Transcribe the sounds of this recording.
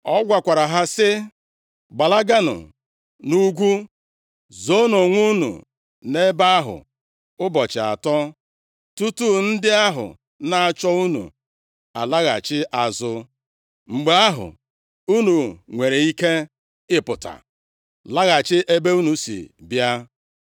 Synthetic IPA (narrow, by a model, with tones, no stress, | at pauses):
ɔ˦ɡʷa˨kʷa˨ɾa˨ɦa˦sɪ˦ | ɡ͡ba˨la˦ɡa˦nʊ̰˨ | nu˦ɡʷu˦ | zo˦no˨ŋʷu˦nṵ˨ | ne˦ba˦a˦ɦʊ̰˨ | ʊ˦bɔ˨t͡ʃɪ˨a̰˨tɔ˦ | tu˦tu˦n̩˦dɪ˦a˦ɦʊ̰˨ | na˦a˦˨t͡ʃɔ˦u˦nṵ˨ | a̰˨la˦ɣa̰˨t͡ʃɪ˦ʔa˨zʊ˦ | ŋ͡m̩˨ɡ͡be˨˦a˦ɦʊ̰˨ | u˦nu˨ŋʷe˨ɾe˨i˦ke˦ | ɪ˦pʊ˨ta̰˨ | la˦ɣa˨t͡ʃɪ˦ʔe˦be˦u˦nu˨sḭ˨bja˦